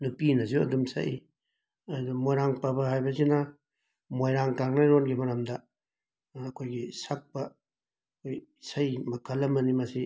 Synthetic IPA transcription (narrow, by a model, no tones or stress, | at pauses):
nupinɐziuɐ̰dumsɐ̰ʔi | ɐdumojɾaŋpɐbɐhajbɐzinɐ | mojɾaŋkaŋnɐɾonɡimɐɾɐmdɐː | kʰojɡisak̚pɐ | kʰojsɐjmɐkʰɐlːɐmɐnimɐsi